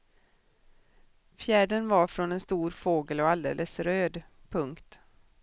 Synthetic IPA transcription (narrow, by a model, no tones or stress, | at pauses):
fjæːɖənvaɾfɾɔnɛnst̪uːɾfoːɡəlɔald̪ḛːlʔəsɾøːd̪pʰɵŋkt̪